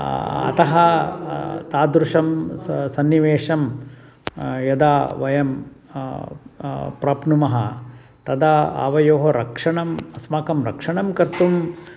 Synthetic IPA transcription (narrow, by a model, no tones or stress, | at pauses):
ɐ̰t̪ɐɦɐ | t̪aːd̪ɾuʂɐmsɐnːiʋeːʂɐm | jɐd̪aːʋɐjɐm | pɾɐːpnumɐɦɐ | t̪ɐd̪ɐa̰ːʋɐjoːɦɐɾɐkʂɐɳɐmɐsmaːkɐmɾɐkʂɐɳɐmkɐɾt̪um